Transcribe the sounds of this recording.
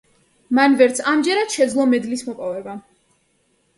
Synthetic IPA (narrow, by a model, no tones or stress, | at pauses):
manvɛɾt̪sʰamd͡ʒɛɾad̪̥ʃɛd̪zlˠɔmɛd̪lismɔpʼɔvɛba